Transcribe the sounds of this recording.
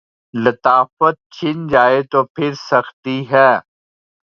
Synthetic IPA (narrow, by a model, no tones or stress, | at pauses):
lət̪aːfət̪̚t͡ʃʰɪnd͡ʒaːet̪oːpʰɪɾsɐxt̪iːɦɛː